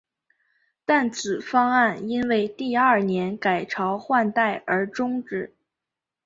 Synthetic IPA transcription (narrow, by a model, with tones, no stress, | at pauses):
t̪a˥˩nt͡sʰɹ̩˨˩fɑ˥ŋa˥˩ni˥nwe˥˧ɪt̪i˥˧a˥˩njɛ˧˥nka˨˩ɪʈ͡ʂʰɑ˧˥ʊxwa˥˧nt̪a˥˩ɪə˞˧˥ʈ͡ʂʊ˥ŋʈ͡ʂɻ̩˥˩